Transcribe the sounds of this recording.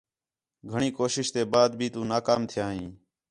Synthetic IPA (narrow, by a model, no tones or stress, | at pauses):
ɡʱəɳiːkoːʃɪʃt̪eːbaːd̪̚bʱiːt̪ũːnaːkaːmt̪ʰɪjaːɦĩː